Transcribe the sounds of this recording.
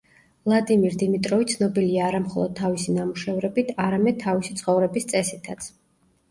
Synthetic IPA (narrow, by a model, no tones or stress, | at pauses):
lˠad̪imiɾd̪imit̪ʼɾɔvit̪sʰnɔbiliaːɾamχɔ̰lˠɔd̪̚t̪ʰavisinamuʃɛvɾɛbit̪ʰaɾamɛd̪̚t̪ʰavisi̥t̪sʰχɔvɾɛbist̪sʼɛsit̪ʰat̪sʰ